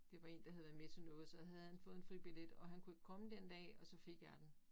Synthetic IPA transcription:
d̥e̝ʋɑ̈e̝ːnd̥ɑhæð̩ˠʋæɐmet͡sʰe̝nɔ̽ːð̞̩ˠsɒ̽ɦæð̩ˠhænfɔ̽ːð̩ˠenfʁib̥iled̥ɒ̽ɦænkʰueɡ̥ə̥kʰɒ̽məd̥end̥ɛ̰ːɒ̽sɒ̽fe̝ɡ̥jæd̥en

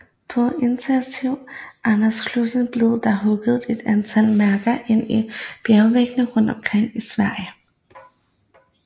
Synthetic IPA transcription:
pʰɒ̽e̝nt͡sʰensiʊ̰ʔænɐskʰlusn̩b̥le̝ð̩ˠd̥ɑ̈ɦɔ̽ɡ̥əð̞̩ˠe̝d̥ænt͡sʰæl̰mæɐɡ̥ɐʔe̝n̰ib̥jæʊʋeɡ̥nəʁɔ̽n̰d̥ɒ̽mkʰʁeŋ̰isʋæɐ̰jə

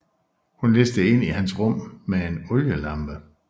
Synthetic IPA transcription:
hunlesd̥əe̝n̰iɦænsʁɔ̽m̰mee̝nɔ̽ljəlɑ̈mb̥ə

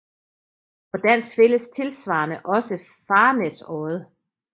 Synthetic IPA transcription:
ɒd̥æn̰sfe̝ləst͡sʰe̝lsʋɑ̰̈ːnəʔɒ̽sə | fɑ̈ːnesɒːð̞ˠ

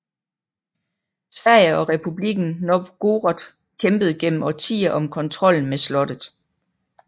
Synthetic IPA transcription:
sʋæɐ̰jəɒ̽ʁɛpʰub̥liɡ̥n̩noɡ̥o̝ːʁɒd̥ | kʰemb̥əð̞ˠɡ̥en̰m̩ʔɒt͡sʰḭːɐʔɒ̽mkʰɒ̽nt͡sʰʁɒ̽l̰n̩meslɒ̽d̥ð̩ˠ

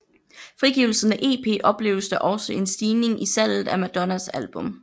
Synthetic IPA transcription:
fʁiɡ̥iʊl̩sn̩æʔe̝̰ːpʰe̝̰ːʔɒ̽b̥le̝̰ʊəsd̥æʔɒ̽səʔe̝nsd̥iːne̝ŋʔisæl̰ð̩ˠæmæd̥ɒ̽næsælb̥ɔ̽m

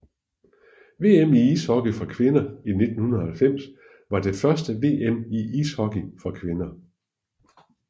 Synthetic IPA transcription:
ʋe̝̰ːemiishɒ̽ɡ̥əfɒkʰʋe̝nɐine̝d̥n̩hunɐð̩ˠhælfem̰s | ʋɑ̈d̥e̝fɶɐsd̥əʋe̝̰ːemiʔishɒɡ̥ifɒ̽kʰʋe̝nɐ

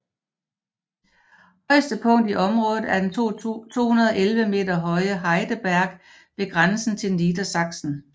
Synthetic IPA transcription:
hɒ̽ɪsd̥əpʰɔ̽ŋ̰d̥iʔɒ̽mʁɔ̽ːð̩ˠæɐd̥ent͡sʰo̝̰ːhunɐðˠɒʔelʋəme̝̰ːdɐɦɒ̽ɪəɦɑ̈ɪd̥əb̥æɐɡ̥ | ʋe̝ɡ̥ʁansn̩t͡sʰe̝lniːdɐsɑ̈ɡ̥sn̩

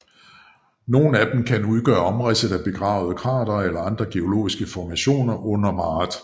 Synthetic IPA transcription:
no̝ːn̩æd̥m̩kʰænuð̞ˠɡ̥ɶɐɒ̽mʁasð̩ˠæb̥e̝ɡ̥ʁɑ̰̈ːʊð̞ˠkʰʁɑ̈ːd̥ɐelɐɑ̈nd̥ʁɐɡ̥e̝o̝lo̝̰ːisɡ̥əfɒmæɕo̝̰ːnɐʔɔ̽n̰ɐmɑ̈ːd̥

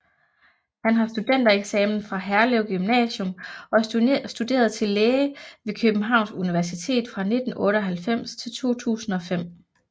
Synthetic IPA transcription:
hænɦɑ̈sd̥ud̥en̰d̥ɐeɡ̥sɛːmn̩fʁɑ̈ɦæɐleʊɡ̥ymnɛ̰ːɕɔ̽mɒ̽sd̥ud̥e̝̰ːɐð̞̩ˠt͡sʰe̝lleːʋe̝kʰøb̥n̩ɦɑ̈ʊ̰nsuniʋæɐsit͡sʰe̝̰ːd̥fʁɑ̈ne̝d̥n̩ʔɔ̽ːɾəɒ̽ɦælfem̰st͡sʰe̝lt͡sʰo̝̰ːt͡sʰṵːsn̩ɒ̽fem̰

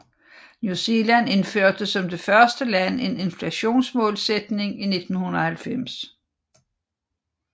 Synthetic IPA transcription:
njuse̝læne̝nføɐ̰d̥əsɒ̽md̥e̝fɶɐsd̥əlæne̝ne̝nflæɕo̝̰ːnsmɔ̽ːlsed̥ne̝ŋine̝d̥n̩hunɐhælfem̰s

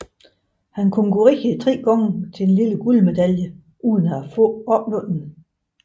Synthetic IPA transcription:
hænkʰonkʰuʁiət͡sʰʁɛ̰ːɡ̥ɒŋət͡sʰe̝enliləɡ̥ulme̝d̥æljə | ʔuːðˠn̩ɐæfɔ̰ɒ̽b̥lɔ̽nn̩

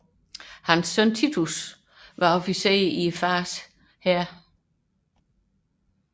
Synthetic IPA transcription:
hænsːœnt͡sʰit͡sʰus | ʋɑ̈ɒfise̝̰ːɐifɑːs | hæɐ̰

